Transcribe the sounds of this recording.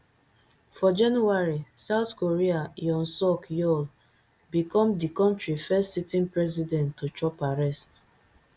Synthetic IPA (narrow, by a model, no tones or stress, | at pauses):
fɔd͡ʒãnjuaɹisaʊθkoɹiajɔ̃nsɔkjɔl | bikɔ̃mdikɔ̃ntɹifɛstsitĩnpɹɛzidɛ̃ntːut͡ʃɔpaɹɛst